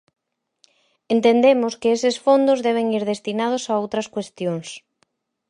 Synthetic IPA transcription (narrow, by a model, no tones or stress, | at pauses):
ent̪end̪emʊskɪesɪsfond̪ʊzðɛβ̞eŋiɾðest̪inað̞ʊsaowt̪ɾɐskwest̪joŋs